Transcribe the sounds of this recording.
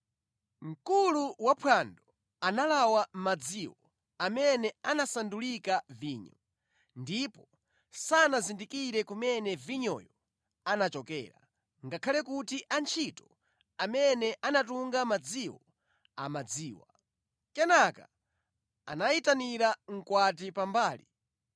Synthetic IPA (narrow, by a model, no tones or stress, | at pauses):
ŋ̩kuluwapʰwandɔ | analawam̩mad͡ziwɔ | amɛnɛanasandulikaviːɲɔ | ndipɔ | sanazindikiɾɛkumɛnɛviɲɔ̰jɔ | anat͡ʃɔkɛ̰ːɾa̰ | ŋɡakʰalɛkutiʔant͡ʃʰitɔ | amɛnɛʔanatuŋɡamad͡ziwɔ | amad͡ziːwa | kɛnaka̰ | a̰naitaniɾaŋ̩kwatipambaːli